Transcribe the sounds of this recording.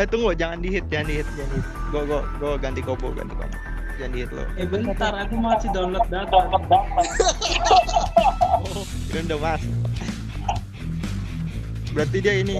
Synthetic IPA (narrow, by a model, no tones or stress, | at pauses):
it̪uŋɡod͡ʒaŋandiɦɪt̪̚d͡ʒaŋandiɦɪt̪̚ɡoɡɔɡoɡant̪ikobo̰ɡa̰nt̪iko̰m | d͡ʒaŋandiɦɪt̪̚lo̰ebənt̪aɾat̪umaasidanlɔt̪̚dadanlɔt̪̚datpa | undəmas | bəɾat̪̬idiaini